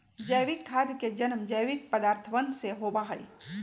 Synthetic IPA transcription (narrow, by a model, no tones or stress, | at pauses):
d͡ʒəjʋɪkʰːaːd̪ked͡ʒənmd͡ʒəjʋɪk̚pəd̪aːɾt̪ʰʋənseɦoːbaɦəḭ